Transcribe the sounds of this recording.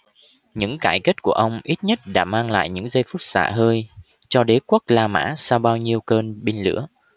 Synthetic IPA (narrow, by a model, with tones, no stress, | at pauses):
ɲɨ̰˧˥ŋkaː˧˩jke˦˥t̚ku˧˩əʔə˧wŋ͡mʔi˦˥t̚ɲə˦˥t̚ɗa̰ː˧˥maː˧ŋla̰ː˧˨jɲɨ̰˧˥ŋzə˧jfu˦˥t̚sa̰ː˧˩ɦəː˧j | t͡ɕɔ˧ɗe˨˦kwə˦˥k̚laː˧ma̰ː˧˥saː˧wɓaː˧wɲi˧əwkəː˧nɓi˧nlɨ̰˧˥ə